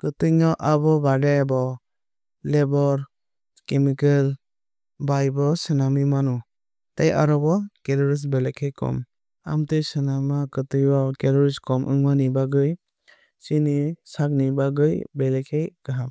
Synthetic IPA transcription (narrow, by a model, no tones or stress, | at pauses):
kɯtɯŋɔʔabɔbadebɔ | lebɔɾ | kemikel | bajbɔsɯnamimanu | taja̰ɾɔbɔkeɾɔɾis̬belekʰejkɔ̰m | a̰mtɯjsɯnamakɯtɯjwɔkeɾɔɾiskʰɔmʔɯ̰ŋmanibaɡɯj | sinisak̚nibaɡɯjbelekʰejkɯɦam